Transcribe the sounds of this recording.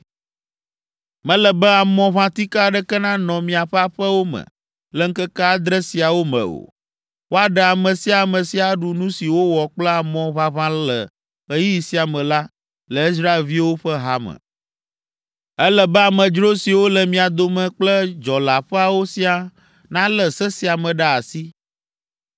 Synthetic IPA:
mɛ̃˦lɛ˨bɛ˦a˨mɔ̃˨βã˦t̪i˦ka˦˨ɖɛ˦kɛ˦nã˦nɔ̃˨mĩ˨a˨ɸɛ˦a˦ɸɛ˦wo˦mɛ̰˨ | lɛ˦ŋ̩˦kɛ˦kɛ˦a˦d̪ɾɛ˦si˨a˨wo˦mɛ̰̃˨o̰˨ | wo˦a˨ɖɛ˨a˨mɛ̃˨si˦a˨mə̃˨si˦a˨ɖu˨nũ˦si˨wo˦wɔ˨k͡plɛ˦a˨mɔ̃˨βa˦βã˦lə̰˨ | ə˦ji˦ji˨si˦a˨mɛ̃˨la˦ | lɛ˨i˦s̬ɾa˦e˨lvi˦wo˦ɸə˦ɦa˦mə̰̃˨ | ɛ˦lɛ˨bɛ˦a˨mə̃˨d͡ʒɾo˦si˨wo˦lə˨mĩ˨a˨d̪o˨mɛ̃˨k͡plə˦d͡ʒɔ˨la˨ɸɛ˦a˨wo˦si˦a˨ | nã˦lɛ˨sɛ˦si˨a˨mɛ̃˨ɖa˦a˨si˦

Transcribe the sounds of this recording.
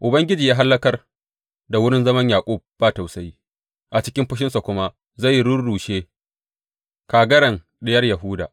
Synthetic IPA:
ʔʊ˨bɐ˦ŋɡʲɪ˦d͡ʒiː˨jaː˦ɦa˦lːɐ˦kɐ˦r | da˨wʊ˦ɽɪ˦nzɐ˦mɐ˦ɲjaː˨kʷʼoː˦˨b̥aː˦ta˨wsa˦ji˦ | ʔa˨t͡ʃɪ̥˦kʲɪ˦mɸʊ˦ʃ̬ɪ˦nsa˨kʷʊ˦ma˦ | za˦˨jːɽʊ˦nɽuː˨ʃeː˦ | kaː˨ɡɐ˦ɽɐ˨ŋ | ɗɪ˦jɐ˦rjɐ˨ɦʊː˦daː˨ʔ

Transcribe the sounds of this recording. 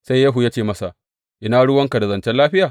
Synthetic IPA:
sa˦jːaː˦ɦu˨jaː˦t͡ʃeː˦˨mɐ˦sa˨ʔ | ʔɪ˦naː˦ɽʊ˦wɐ˦ŋka˨da˨zɐ˨nt͡ʃɛ˦laː˦ɸɪ˦jaː˨

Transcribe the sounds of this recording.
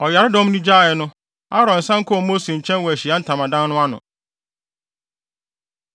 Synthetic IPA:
ɔ˨ja˨ɾɪ˦dɔ˦m˦nĩ˦d͡ʑaː˦˨ɛ˨nʊ̃˦ | a˦ɾɔ̃˨n̩˨sã˦ŋ̩˦kʊ˦ɔ˨mo˦se˨ɲ̩˨t͡ɕʰɛ̃˦nwɔ˨æ˨ɕi˨a˦n̩˦tʰã˨mã˨dã˦n˦nʊ̃˦a˦nʊ̰̃˨

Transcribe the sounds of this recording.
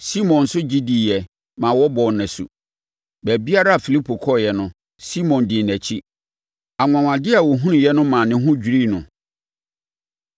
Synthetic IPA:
si˦mɔ̃˨n̩˨sʊ˦d͡ʑi˦di˨jɛ˨ | mã˨wɔ˦bɔ˨nɛ̃˨sṵ˨ | bæ˨bi˦a˦ɾa˦a˨fi˨li˦pʰo˨kʰɔ˦˨jɛ˨nʊ̃˦ | si˦mɔ̃˨ndɪ˨næ˨t͡ɕʰi˦ | a˨ŋʷã˨ŋã˨dɪ˦a˨wɔ˨ɦũ˦nʊ̃˨jɛ˦nʊ̃˦mã˨nɪ̃˦ɦʊ̃˦d͡ʑᶣi˨ɾi˦nʊ̃˨

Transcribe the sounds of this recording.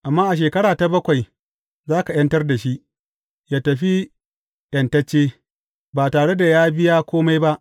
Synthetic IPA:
ʔa˨mːaː˦ʔa˨ʃ̬eː˨kɐ˦ɽaː˨ta˨bɐ˦kʷa˨j | zaː˦ka˨j̰ɐ˦ntɐ˦rda˨ʃi˦ʔ | jaː˦tɐ˨ɸi˦ | ɗɐ˨ntɐ˦t͡ʃːeː˦ | baː˨taː˨ɽe˦da˨jaː˦bɪ˦jaː˦kʷoː˦ma˦jba˦ʔ

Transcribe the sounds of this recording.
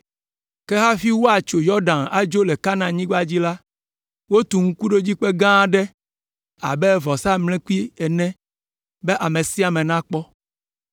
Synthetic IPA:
ke˦ɦa˦fi˦wo˦a˨t͡ʃo˨jɔ˦ɖã˨na˨d͡ʒo˦lɛ˨ka˦nã˨ɲĩ˦ɡ͡ba˦d͡ʑi˦la˦ | wo˦t̪u˨ŋ̩˦ku˦ɖo˦d͡ʑi˦k͡pe˦ɡã˦ɖɛ˦ | a̰˨bɛ˦vɔ˨sa˦mlɛ̃˦ku˦i˦ɛ˨nɛ̃˦ | be˦ʔa˨mẽ˨si˦a˨mɛ̃˨nã˦k͡pɔ˦

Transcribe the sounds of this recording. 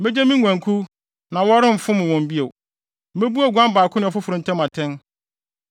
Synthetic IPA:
mɛ˦d͡ʑɛ˦mĩ˦ŋʷ˨æ̃˨ŋkʰu˦ | nã˨wɔ˦ɾɪ̃˦m̩˨fʊ̃˦mʊ̃˨wɔ̃˨m̩˨bi˦e˨˦ | ɛ˦bu˦a˨ɡʷã˦m˦baː˨kʰʊ˦nɪ̃˨ɔ˨fʊ˦fʊ˨ɾʊ̃˨n̩tʰɛ̃˦mã˨tʰɛ̃˦n

